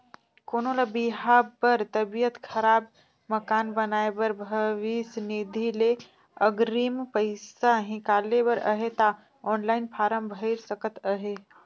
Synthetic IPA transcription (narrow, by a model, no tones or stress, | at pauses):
konoləbiɦapəɾt̪əbijət̪kʰəɾab | məkanbənaebəɾbʱəʋisnid̪ʱile | əɡɾimpəɪsaɦĩkalebəɾə̰ɦet̪a | ɔnlaɪnpʰaɾəmbʱəɪɾsəkət̪əɦe